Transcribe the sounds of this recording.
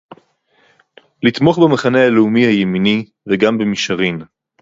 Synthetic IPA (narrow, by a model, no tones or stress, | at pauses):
lit̪mo̞χbemaχanealeumihajemini | veɡambemiʃaʁin